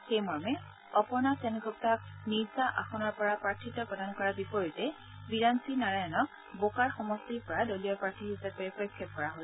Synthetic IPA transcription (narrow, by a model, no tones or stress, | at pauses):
xejmɔɹmɛ | ɔpɔɹnasɛnɛɡɔp̚tak̚niɹzaʔaxɔnɔɹpɔɹapɹaɹtʰitːɔpɔdankɔɹabipɔɹitɛ | biɹansinaɹajɔnɔk̚ | bokaɹxɔmɔstiɹpɔɹadolijɔpɹaɹtʰiɦisapɛpɔikʰːjɔt̚kɔɹaɦol